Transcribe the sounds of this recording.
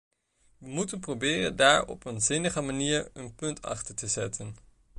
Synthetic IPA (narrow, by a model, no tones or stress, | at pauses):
ʋəmutənprobɪːrə̰ndaːɹɔ̰pənzɪnəχəmaniːɹənpɵntʰɑ̰χtəɹtəzɛtʰən